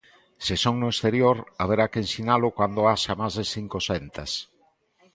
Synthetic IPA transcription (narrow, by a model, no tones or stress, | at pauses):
sɪsoŋnoest̪eɾjoɾaβ̞eɾakensinalʊkwand̪oaʃamazðeθiŋkosɛnt̪ɐs